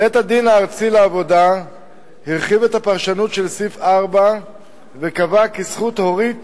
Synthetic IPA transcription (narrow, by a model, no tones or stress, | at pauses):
et̪had̪inaːʁt͡sileavo̞da | hiʁχivetapaʁʃanutʃelsifaʁba | vekavakisχut̪ho̞ʁit